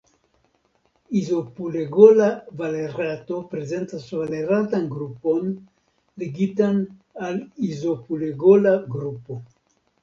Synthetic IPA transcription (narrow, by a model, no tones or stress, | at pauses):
izopuleɡolavaleɾat̪opɾezent̪asvaleɾat̪anɡɾupon | leɡit̪an | alizopuleɡolaɡɾupo